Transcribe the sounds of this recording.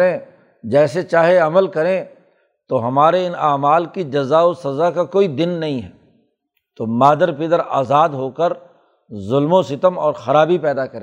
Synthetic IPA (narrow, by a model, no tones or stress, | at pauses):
ɾẽː | d͡ʒɛːset͡ʃaːɦeɐməlkɐɾẽ | t̪oɦɐmaːɾeɪnaːmaːlkid͡ʒɐzaːosɐzakakoːid̪ɪnːɐɦĩɦɛː | t̪oːmaːd̪əɾpɪd̪əɾa̰ːzaːd̪ɦoːkəɾ | zʊlmõsɪt̪əmɔːɾxɐɾaːbipɛːd̪akɐɾẽː